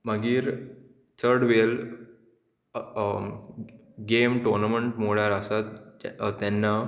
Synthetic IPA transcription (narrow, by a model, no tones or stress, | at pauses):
məɡiːɾ | t͡səɾɽʋel | ɡemʈoɾnaməɳʈmoɽjaɾəsat̪t̪anːa